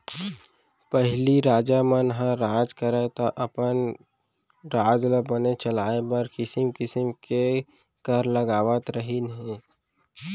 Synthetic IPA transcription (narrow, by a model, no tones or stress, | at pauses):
pəɦliɾaːd͡ʒamənɦə̃ɾaːd͡ʒkəɾet̪oʔɐpən | ɾaːd͡ʒləbənet͡ʃəlaːebəɾkɪsɪmkɪsəmke | kəɾləɡaːʋət̪ɾəɦinɦẽ